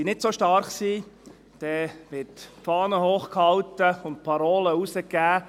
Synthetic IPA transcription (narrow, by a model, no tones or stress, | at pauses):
inɪtsoʃtɑɾχsiː | d̥ɛːʋɪtpfɑːnəhoːχkhɑwtəʊnt̚pʰɑɾoːləusəkːæː